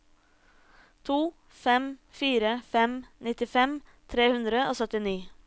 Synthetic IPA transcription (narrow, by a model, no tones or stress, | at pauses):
t̪ʰuː | fɛmfiːɾəfɛmnɪt̪ɪfɛmt̪ʰɾeːhʉnd̪ɾəoːsœt̪ɪniː